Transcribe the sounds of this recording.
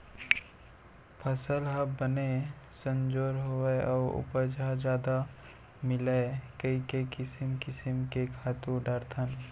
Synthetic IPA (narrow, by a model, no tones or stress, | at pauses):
pʰəsəlɦɐbbənesə̃nd͡ʒoːɾɦoeɔːɾʊ̰pəd͡ʒʱad͡ʒjaːd̪a | mɪlekɐikeikɪsɪmkɪsɪmkekʰaːt̪ũɖaːɾt̪ʰən